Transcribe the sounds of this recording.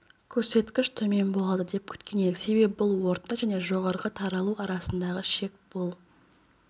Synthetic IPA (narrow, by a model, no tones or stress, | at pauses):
kʲʰɵɾse̞t̪kʲɪʃt̪ʰɵme̞nbo̞lˠɑd̪əd̪e̞p̚kʲʰʏ̥t̪kʲe̞neɪse̞be̞pɪbʊlˠwo̞ɾt̪ːɑʒæne̞ʒo̞ʁɑɾʁət̪ʰɑɾɑlˠuɑɾɑsənd̪ɑʁəʃe̞k̚b̥olˠ